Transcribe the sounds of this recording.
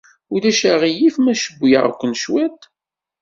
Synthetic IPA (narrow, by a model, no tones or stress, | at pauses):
ʊðæʃaʁijifmæʃəbːʊjə̰ʁ̰kʷːənʃwæt̪